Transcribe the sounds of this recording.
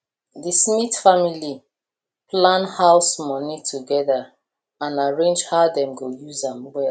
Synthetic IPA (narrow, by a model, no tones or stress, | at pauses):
ðismitfamili | plãnhaʊsmɔnitʰuɡɛða | ãnaɹẽnd͡ʒhaʊdɛ̃mɡojuzãmwɛ